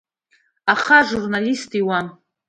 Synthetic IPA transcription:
aχaʐurnalistʰʼiwa

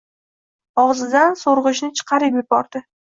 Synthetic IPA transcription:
ɒʁzɪd̪ansoɾʁɨʃnɪt͡ʃʰɨ̥qʰɑɾɪpjɪbɒɾd̪ɪ

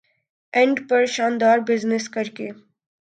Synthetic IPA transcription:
ɛ̃ɳɖpɐɾʃãːnd̪aːɾbɪznɪskɐɾkeː

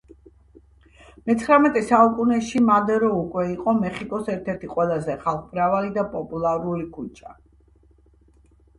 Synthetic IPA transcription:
mɛt̪sʰχɾamɛt̪ʼɛsaukʼunɛʃimad̪ɛɾɔukʼwɛiqʼɔmɛχikʼɔsɛɾt̪ʰɛɾt̪ʰiqʼwɛlˠazɛχalˠχbɾavalid̪apʼɔpʼulˠaɾulikʰut͡ʃʼa

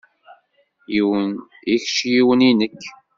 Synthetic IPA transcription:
jiw | içʃjiwəninəkː

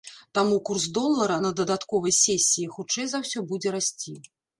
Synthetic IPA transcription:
t̪amukurzd̪ɔlˠːɐɾɐnɐd̪ɐd̪at̪kɔvɐjsʲɛsʲːijixut͡ʂɛjzawsʲɔbud͡zʲɛɾasʲt͡sʲi

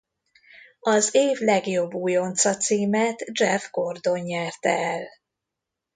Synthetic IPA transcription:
ɒzeːvlɛɡjo̞bːuːjo̞nt̪sɒt̪siːmɛt̪d͡ʒɛvɡo̞rd̪o̞ɲɲɛrt̪ɛ̰ɛl

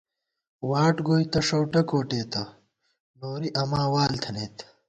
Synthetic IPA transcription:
waːʈɡoːjt̪ɐʂowʈɐkoːʈeːt̪ɐ | noːɾiʔɐmãːwaːlt̪ʰɐneːt̪

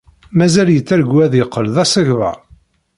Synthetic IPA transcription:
mæzæljət͡sːæɾɡwæðəqːəlðæsəʝvə̰

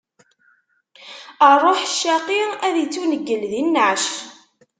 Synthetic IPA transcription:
ərˤːoħʃːaqiæðit͡sːunəɡːəlðinːəʕʃ

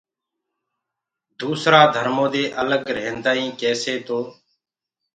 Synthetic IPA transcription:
d̪uːsɾaːd̪ʱəɾmõːd̪eːʔələɡɾeːnd̪aːĩːkɛːseːt̪oː

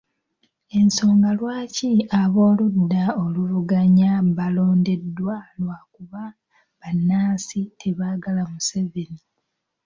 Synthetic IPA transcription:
e̞nso̞ːŋɡalwaːciaβo̞ːludːao̞luβuɡaɲaβalo̞ːnde̞dːwalwakuβa | βanːaːsitʰeβaːɡalamuseveni

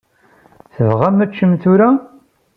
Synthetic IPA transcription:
θəvʁæmæt͡ʃːəmt̪uɾa

